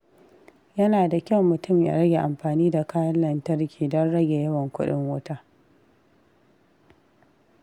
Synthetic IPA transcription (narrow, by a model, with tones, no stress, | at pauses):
jɐ˦naː˨da˨kʲɐ˦wmːʊ˨tʊ˦˨mja̰˨ɾɐ˦ɡʲe˨ʔa˨mɸaː˨niː˦da˨kaː˦jɐ˦nlɐ˨ntɐ˦rkʲiː˨dɔ˦nɽɐ˦ɡʲe˨jɐ˦wɐ˨ŋkʷʊ̰˦ɗɪ̰˦ŋwʊ˦taː˦